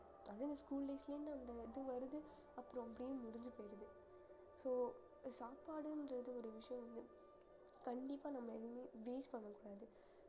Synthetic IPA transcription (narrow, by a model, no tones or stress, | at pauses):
ɐnːaːɪnd̪ɐskuːlɖeːslɐjʊ̃nːaːɐnd̪ɐɪðɯʋɐɾɯðɯ | ɐpːɾõɐpːɐɽɪjɯ̃mmʊɽɪɲd͡ʒɯpoːjɪɾɐðɯ | soː | saːpaːɽɯndɾɐðɯɔɾɯʋɪʂɐjɔ̃ʋɐnd̪ɯ | kɐɳɖɪpːaːnɐmːɐɛɣɯmeːʋeːspɐɳːɐkːʊɽaːðɯ